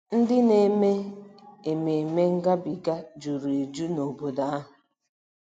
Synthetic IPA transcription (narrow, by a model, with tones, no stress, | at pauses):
n̩˦dɪ˦ne˨me˦e˨me˨me˦ŋ̩˦ɡa˦bi˨ɡa˦d͡ʒu˨ɾe˨e˨d͡ʒu˦no˨bo˨da˦a˦ɦʊ˨